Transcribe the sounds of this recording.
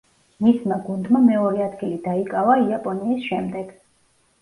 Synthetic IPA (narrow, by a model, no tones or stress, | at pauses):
mismaɡund̪mamɛɔɾɛad̪ɡilid̪aikʼavaiapʼɔniːsʃɛmd̪ɛɡ̥